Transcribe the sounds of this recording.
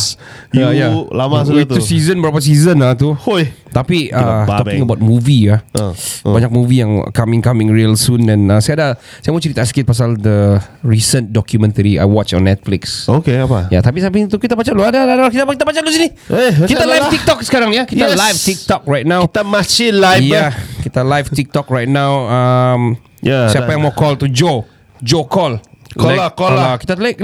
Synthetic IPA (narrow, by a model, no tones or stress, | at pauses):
jajalamas̬uit̪usizə̃nbəɾapas̬izənat̪uojt̪apiʔat̪ɔkɪ̃ŋəbaʊt̪̚muvija | baɲak̚muvijaŋ̰kamɪ̃ŋkamɪ̃ŋɹiəlsũnɛ̃nasajada | sajamɔt͡ʃəɾit̪askɪt̪̚pas̬ald̪əɹisəndɔkjumɛ̃nt̪əɾia̰jwɔt͡ʃɔ̰̃nːɛt̪̚flɪksokeapajat̪apisapit̪ukit̪abat͡ʃaloadadadakit̪akit̪abat͡ʃalosini | ekit̪alajft̪ik̚t̪ɔksə̥kaɾaŋjakit̪alajft̪ik̚t̪ɔk̚ɹajt̪̚nãwt̪amasilajjakit̪alajft̪ik̚t̪ɔkɹajt̪̚nãwam | jasiaajãŋmakɔlt̪ud͡ʒo | d͡ʒokɔlkɔakɔkit̪at̪lak